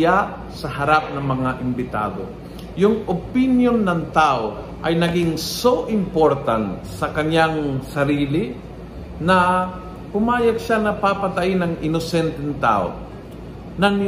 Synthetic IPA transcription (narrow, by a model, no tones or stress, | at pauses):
aʔ | sɐɦɐɾap̚nɐŋmɐŋaʔɪmbɪt̪a̰ːd̪o̰ | jʊŋopinjonːɐŋt̪aʔo | ʔɐjnɐɡɪŋsowʔɪmpo̞ɾt̪ant̪sɐkɐɲaŋsɐɾiːlɪ | nɐ | kʊmaːjɐɡ̚ʃanɐpapɐt̪ɐʔɪnɐŋʔɪnosɛnt̪ɛŋt̪a̰ːʔo̰ | nɐŋ